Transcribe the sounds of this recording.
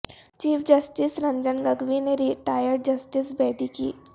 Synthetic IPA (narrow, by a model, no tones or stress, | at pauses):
t͡ʃiːfʰd͡ʒɐsʈɪsɾɐ̃ɲd͡ʒənɡɐɡʋineɾiʈaːjəɾɖ̚d͡ʒɐsʈɪsbɛːd̪ikḭː